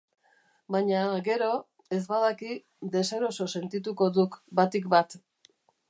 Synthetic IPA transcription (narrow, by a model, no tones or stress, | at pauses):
baɲaɣe̞ɾo̞ | e̞zbað̞aki | d̪e̞se̞ɾo̞so̞se̞nt̪it̪uko̞ðukbat̪ikbat̪